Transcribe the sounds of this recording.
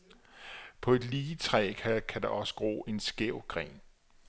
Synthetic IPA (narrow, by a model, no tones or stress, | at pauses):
pʰɒ̽e̝d̥liːt͡sʰʁɛ̰ːkʰækʰæd̥ɑ̈ʔɒ̽sə̥ɡ̥ʁo̝̰ːʔe̝nsɡ̥eʊɡ̥ʁɛ̰ːn